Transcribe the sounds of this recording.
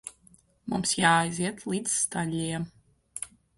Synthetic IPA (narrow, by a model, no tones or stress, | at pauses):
mṵmsjaːjziɛt̪lˠiːzst̪alʲːijɛm